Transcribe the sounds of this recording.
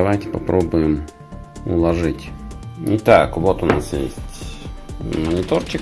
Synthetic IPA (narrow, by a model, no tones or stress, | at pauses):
ɐʋajtʲɪ̥pɐpɾʔobʊjɪm | ʊ̰lˠɐʐɨtʲnʲɪt̪akʊbot̪ʊna̰sjḛsʲtʲ | mənʲɪt̪ort͡ɕɪk